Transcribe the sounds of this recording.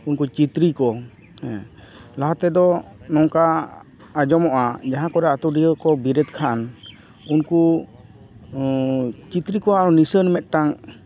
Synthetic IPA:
unkut͡ʃit̪ɾikɔ | laɦat̪ɛd̪ɔnɔŋka | ad͡ʒɔmɔʔad͡ʒaɦãkɔɾɛat̪uɖijəkɔbiɾɛt̪kʰaʔan | unku | t͡ʃit̪ɾikɔaaɾɔnisənmɛt̪̚ˀʈaŋ

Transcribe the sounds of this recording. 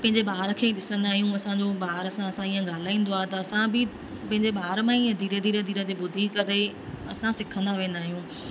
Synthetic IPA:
pɐ̃ɦɪ̃ɲd͡ʑeɓaːɾəkʰeːiɗɪsə̃nd̪aːɦijũɐsãɲd͡ʑoɓaːɾɐsãɐsãijə̃ɡaːl̤aːĩːn̆d̪oaːɦet̪ɐɐsãbɪ | pɐ̃ɦɪ̃ɲd͡ʑeɓaːɾmãiə̃d̪ʱiːɾəd̪ʱiːɾəd̪ʱiːɾət̪ebʊd̪ʱikɐɾe | ɐsãsɪkʰə̃nd̪aʋẽːn̆d̪aːɦijũː

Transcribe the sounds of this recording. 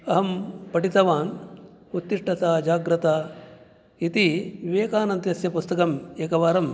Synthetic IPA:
ɐɦɐmpɐʈit̪ɐʋaːn | ut̪ːiʂʈɐt̪aːd͡ʒaːɡɾɐt̪aː | it̪iʋiʋeːkaːnɐnt̪jɐsjɐpust̪ɐkɐmeːkɐʋaːɾɐm

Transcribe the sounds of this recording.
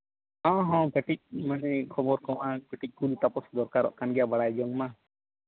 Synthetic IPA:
ɔ̃ɦɔ̃pəʈic̚manɛkʰɔbɔɾkɔ̃wʔakɛʈic̚ˀkulit̪apɔsd̪ɔɾkaɾɔ̰ʔkanɡɛjabaɽajd͡ʒɔŋma

